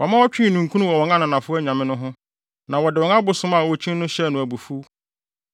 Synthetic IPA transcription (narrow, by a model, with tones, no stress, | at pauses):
wɔ˨mã˦wɔ˦t͡ɕᶣĩ˦˨nũ˨ŋ˨kʰu˦nʊ̃˦wɔ˨wɔ̃˨ŋã˦nʊ̃˨nã˨fʊ˦æ˦ɲã˨mɪ̃˦nʊ̃˦ɦʊ̃˦ | nã˨wɔ˨dɪ˨wɔ̃˨ŋã˦bʊ˨sʊ̃˦mã˨wɔ˨t͡ɕʰĩ˦n˦nʊ̃˦ɕɛ˦nʊ̃˨æ˨bu˨fu˦